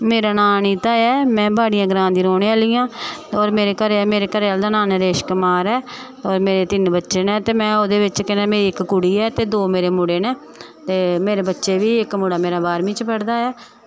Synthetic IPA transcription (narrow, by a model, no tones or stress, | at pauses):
meːɾaːnaːniːt̪aːɛːmɛ̃ːbaːɽɪjãːɡɾãːd̪iːɾoːɳeaːliːãːɔːɾmeːɾeːkəɾmeːɾeːkəɾeːaːld̪aːnãːnɛ̃ɾeːʃkəmaːɾɛː | ɔːɾmeːɾeːt̪ɪnbətːʃeːnɛ̃ːt̪eːmɛ̃ːoːd̪eːʋɪt͡ʃkɛːnaːmeːɾiːɪkkʊɽiːɛːt̪eːd̪oːmeːɾeːmʊɽeːnɛː | t̪eːmeːɾeːbətːʃeːʋiːɪkmʊːɽaːmeːɾaːbaːɾmĩːt͡ʃpəɽd̪aːɛː